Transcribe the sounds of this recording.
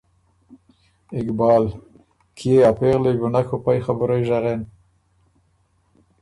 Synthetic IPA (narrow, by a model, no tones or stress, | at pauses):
ɪkbɑːl | kʰieapeɣlejɡʊnakʰopajxabʊɾajʒaɣen